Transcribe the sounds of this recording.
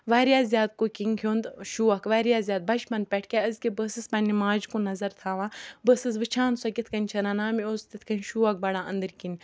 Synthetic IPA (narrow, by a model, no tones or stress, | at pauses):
ʋaːɾijaːzʲjaːd̪̚kokʲiŋkʰʲjoːnd̪ʃuːɐkʋaːɾjaːzʲjaːd̪̚bɐt͡ʃpɐnd̪̚pʲɛʈʰkʲɛəzkʲebəːsɨspɐnʲːimaːd͡ʒkũnɐzɐɾt̪ʰaːʋãːbəːsɨs̬ʋɨt͡ʃʰãːnsɐkʲit̪ʰkɐnʲt͡ʃʰɐnaːnaːmioːst̪it̪ʰkɐnʃuːɐk̚bɐɽãːɐ̰nd̪ɨɾkinʲ